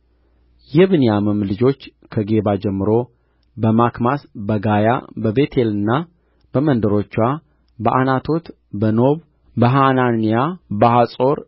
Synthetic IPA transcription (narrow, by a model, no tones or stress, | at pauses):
jɛβɨnijaməmlɨd͡ʒo̞t͡ʃːkʰəɡe̞βad͡ʒɛmːɨɾo̞ | bəmakmasbəɡaja̰bəbe̞t̪ʰe̞lɨnːa | b̥əmənd̪əɾo̞t͡ʃːwa | bəʔanat̪ʰo̞t̪ | bəno̞β | bəɦananijabəɦasʼo̞ɾ